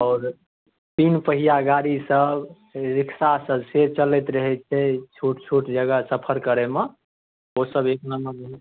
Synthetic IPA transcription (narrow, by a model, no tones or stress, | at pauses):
ɔːɾ | t̪inpəɦijaɡaɾisəb | ɾɪksasəbset͡ʃəlɛt̪ɾəɦɛt͡ʃʰɛt͡ʃʰuʈt͡ʃʰuʈd͡ʒəɡəsəpʰəɾkəɾɛme | osəbeknəməb